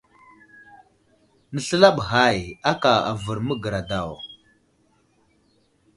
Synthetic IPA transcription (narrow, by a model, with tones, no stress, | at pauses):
nə˨ɬə˦la˦ɓɦa˦˨ja˦ka˨a̰˨və˨ɾmə˦ɡə˨ɾa˨da˨w